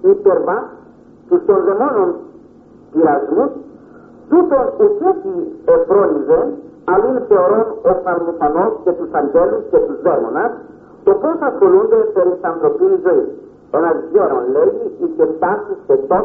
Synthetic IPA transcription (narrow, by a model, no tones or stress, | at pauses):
ipeɾva | t̪ust̪o̞nðe̞monon | t̪iɾɐzmus | t̪ut̪o̞ocet̪iepɾo̞live | ɐlunθe̞oɾo̞nofɐɾmufonosce̞t̪usɐɲɟe̞luscet̪uzðemo̰nɐs | t̪oposɐsxo̞lund̪epeɾisɐnθɾo̞pinizo̞is | enɐzʝeɾonleʝiicet̪asiset̪o